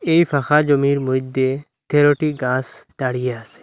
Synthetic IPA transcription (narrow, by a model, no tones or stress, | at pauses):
ejfʰaxad͡ʒɔmiɾmujd̪e | t̪ʰeɾoʈiɡãstaɽijaasɛ̥